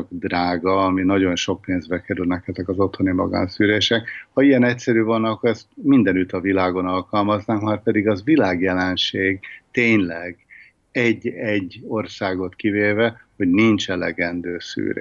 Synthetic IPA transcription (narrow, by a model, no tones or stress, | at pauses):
ɡd̪raːɡɒɒminɒɟo̞nʃo̞k̚peːnzbɛkɛɾylnɛkɛzɛkɒzo̞t̪ho̞nimɒ̰ɡa̰ːnsyːɾeːʃɛkhɒiɛnɛcʲsɛɾyːvɒnɒkːoɾɛst̪mind̪ɛnyt̪ɒvilaːɡo̞nɒlkɒlmɒznaːŋkmaːrpɛd̪iɡɒvilaːɡjɛlɛnʃeːɡt̪eːɲlɛɡ | ɛɟːɛɟːo̞rsaːɡo̞t̪kiveːvɛho̞ɟnint͡ʃɛlɛɡɛnd̪øːsy̰ːɾḛ